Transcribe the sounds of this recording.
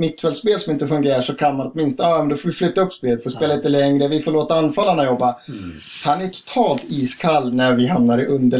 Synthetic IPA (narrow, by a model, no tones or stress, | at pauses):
mɪt̪ːfɛlspeːlsɔmɪnt̪əfɵŋɡeːɾaʂɔkʰanmanɔt̪mɪnst̪ːjmɛnd̪ɔfoːvɪflʏt̪ːaɵpːspeːlət̪fɔspeːləɪt̪ːɛləɛŋɾəvɪfoːɭoːt̪aanːfalːaɳajɔbːa | hanætʰʊ̥t̪ʰɑːlt̪iːskʰalːnæɾvɪɦamnaɾɪʔɵnd̪ə